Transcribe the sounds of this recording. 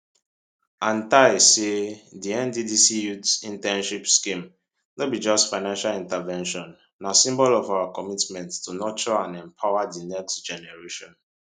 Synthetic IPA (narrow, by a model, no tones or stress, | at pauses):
ãntaɪsediɛ̃ndidisijutsĩntɛ̃nʃipskĩm | nɔt̚bid͡ʒɔstfaɪnãnʃalĩntavɛ̃nʃɔ̃nː | aʊsĩmbɔlɔvaʊakɔmitmɛ̃nttunɔt͡ʃɔãnɛ̃mpʰaʊadinɛkstd͡ʒɛnɛɹeʃɔ̃n